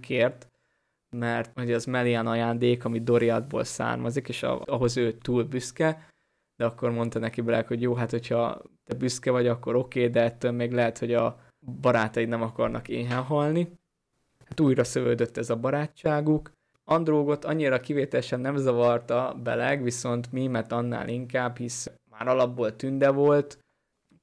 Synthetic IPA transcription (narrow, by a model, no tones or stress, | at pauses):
keːrt̪ | mɛrt̪hoɟɒzmɛlianɒjaːnd̪eːkɒmid̪o̞ɾiɒd̪bo̰ːlsa̰ːrmɒzikeːʃɒ̰ɒɦo̞zøːt̪uːlbyskɛ | d̪̥ɛɒkːo̞rmo̞nt̪ɒnɛkibɛlɛkho̞ɟjoːɦat̪ho̞cʰhɒ̰t̪ɛbyskɛvɒɟɒkːo̞ɾo̞keːd̪ɛɛt̪ːøːlmeːɡlɛɦɛt̪ho̞ɟɒ | bɒɾaːt̪ɒjinɛmɒkɒrnɒ̰keːɦɛnɦɒlni | hat̪uːjrɒsøvø̰ːd̪øt̪ːɛzɒbɒɾaːt͡ʃːaːɡuk | ɒnd̪roːɡo̞t̪ɒɲːiɾɒkiveːt̪ɛlɛʃɛnːɛmzɒvɒrt̪ɒbɛ̰lɛɡʋiso̞nt̪mimɛrt̪ɒnːa̰ːlʔiŋkaːbhismaːɾɒlɒbːolt̪ynd̪ɛvo̞lt̪